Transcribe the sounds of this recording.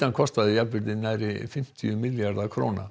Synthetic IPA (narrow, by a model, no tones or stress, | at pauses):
ankʰɔst̪aðɪjapʏɾt̪ɪnːajɾɪfɪm̥t̪ʰɪʏmɪljaɾðakʰɾo̰ːwna̰